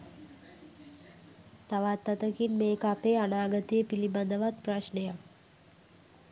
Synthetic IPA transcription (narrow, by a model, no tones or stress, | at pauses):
t̪aʋat̪ːɐt̪əkinmeːkəapeːanaːɡət̪ejepiliband̪əʋat̪pɾaʃnejak